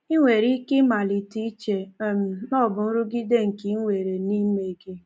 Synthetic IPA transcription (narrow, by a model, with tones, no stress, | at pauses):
i˦ŋʷe˨ɾi˦kɪ˦ma˨li˨ti˦t͡ʃe˨m̩˨nɔ˦˨bʊ˨n̩˦ɾʊ˦ɡi˦de˦ŋ̩˨ki˦ŋʷe˨ɾe˨ni˦me˨ɡɪ˦